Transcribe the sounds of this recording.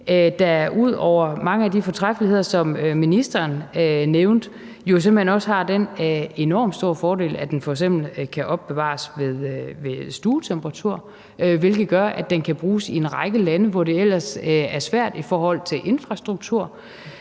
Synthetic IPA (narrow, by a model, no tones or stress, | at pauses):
ød̥ɑɐʔuð̰ˠɒʊ̰ɐmɑ̈ŋəæd̥ifɒ̽t͡sʰʁafəlihe̝ð̞̰ˠɐsɒ̽møminisd̥ɐːnneʊnd̥ | jo̝sem̥l̩henɒ̽səhɑ̈d̥ene̝nɒ̰ːmd̥sd̥o̝ɐ̰fɒːɾe̝̰ːlæd̥enfɒ̽eɡ̥semb̥l̩kʰæʔɒ̽b̥ːe̝ʋɑ̰̈sʋe̝ðˠʋe̝sd̥uːt͡sʰemb̥ʁɑ̈t͡sʰuɐ̰ | ʋe̝lɡ̥ð̩ˠɡ̥ɶɐʔæd̥enkʰæb̥ʁuːsie̝nʁɑ̈ɪɡ̥əlænəʋɒd̥e̝el̰ɐsæɐsʋæɐ̰d̥ifɒːhɒ̽l̰t͡sʰe̝lʔe̝nfʁɑ̈sd̥ʁuɡ̥̚t͡sʰuɐ̰